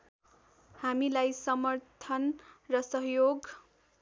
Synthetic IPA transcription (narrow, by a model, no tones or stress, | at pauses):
hamilajsʌmʌrt̪ʰʌnrʌsʌɦjoɡ